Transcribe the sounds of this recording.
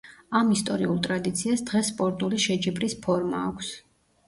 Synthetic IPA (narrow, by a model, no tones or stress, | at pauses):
amist̪ʼɔɾiulˠt̪ʼɾad̪it̪sʰiasd̪ʁɛsːpʼɔɾt̪ʼuliʃɛd͡ʒibɾispʰɔɾma̰ːkʷʰs